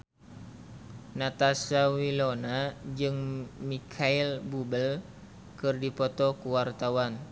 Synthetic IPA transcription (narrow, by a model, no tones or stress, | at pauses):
nat̪asawilonad͡ʒɨŋmikʰailbubəl | kɨrdipɔt̪ɔkuwart̪awan